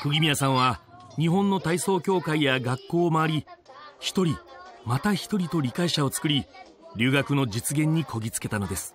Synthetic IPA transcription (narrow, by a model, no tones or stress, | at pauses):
kɯ̟ɡʲimʲijasãɰ̃βaɲ̟iɦõ̞nːo̞t̪aiso̞ːkʲo̞ːkaijaɡakːo̞ːmaβaɾʲiçi̥t̪o̞ɾʲimat̪açi̥t̪o̞ɾʲit̪o̞ɾʲikaiɕao̞t͡sɨ̥kɯ̟ɾʲi | ɾʲɨːɡakɯ̟no̞d͡ʑit͡sɨɡẽ̞ɲ̟ːikʰo̞ɡʲit͡sɨ̥ke̞t̪ano̞d̪e̞sɨ̥